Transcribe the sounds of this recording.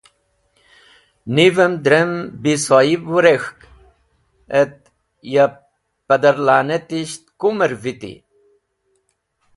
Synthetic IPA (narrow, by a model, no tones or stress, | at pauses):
nivəmd̪ɾembisoibuɾexk | et̪̚ | ja | pɐd̪əɾlaːnet̪iɕt̪̚kuməɾvit̪ḭ